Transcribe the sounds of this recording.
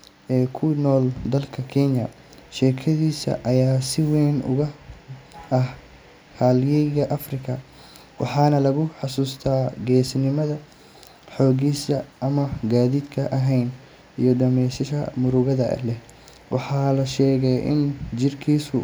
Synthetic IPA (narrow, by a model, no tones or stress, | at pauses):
ʔɛːkʰʊnɔːld̪ɐlkʰɐkʰɛnjɐ | ʃɛːkʰɐðiːsɐ̰ʔɐjaːsɪwɛnʊ̰ɣɐ | ʔɐh | haːljɛɣɐʔɐfrɪkʰɐ | wɑ̰ħɑːnɐlɐɣʊħɑsuːst̪ʰaːɡɛːsnɪmɐðɐ | ħɔːɣiːsɐʔɐmɐɡaːðiːd̪kʰɐʔɐɦɛjn | ijɔɖɐmɛjsɐʃɐ̰mʊɾʊɣɐðɐ̰lɛh | wʔɑħɑːlɐʃɛːɣɛjʔɪ̰nd͡ʒɪrkʰiːsʊ